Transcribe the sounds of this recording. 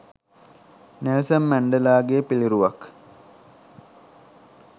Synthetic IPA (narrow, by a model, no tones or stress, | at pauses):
nelsəmmæɳɖəlaːɡepiliɾuʋak